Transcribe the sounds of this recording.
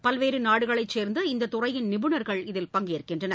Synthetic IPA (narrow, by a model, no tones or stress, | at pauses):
pɐlʋeːɾɯnaːɽɯɣɐɭɐɪt͡ʃːeːɾnd̪ɯɪnd̪ɐt̪ʊrɐjɪnnɪbɯɳɐɾɣɐɭɪðɪlpɐŋɡeːɐɾkːɪndrɐnɐ